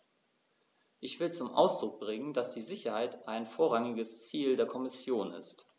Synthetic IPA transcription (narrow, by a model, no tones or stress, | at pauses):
ʔɪçv̥ɪlt͡sʊmʔa̰ʊsd̥ʁʊk̚b̥ʁɪŋəndasd̥iːzɪçɐhaɪtʔaɪnfoːɐʁaŋɪɡəst͡siːldeːɐkʰɔmɪsjoːnɪ̰st